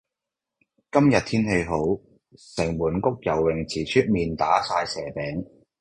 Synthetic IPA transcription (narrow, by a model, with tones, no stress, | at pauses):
kɐ˥mjɐ˨t̚t̪ʰiː˥nhe˧jɦo˨˥w | sɛ˨˩ŋmuː˨˩nkʊ˥k̚jɐ˨˩wwɪ˨˩ŋt͡sʰiː˨˩t͡ʃʰyː˥t̚miː˨nt̪aː˨˥saː˧jsɛː˨˩pɛː˨˥ŋ